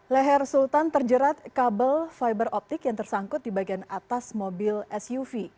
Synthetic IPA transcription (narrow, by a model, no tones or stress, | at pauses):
lɛɦɛrsult̪ant̪ərd͡ʒəɾat̪̚kabəlfajbərɔp̚t̪ɪkjaŋt̪ərsaŋkʊt̪̚dibaɡianat̪asmobɪlɛsjufi